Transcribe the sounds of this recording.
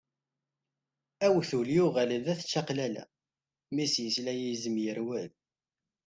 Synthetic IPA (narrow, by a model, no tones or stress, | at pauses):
æwθuljuʁælðæθt͡ʃːɑqlælæ̰ | misjəslæjizəmjəɾwæð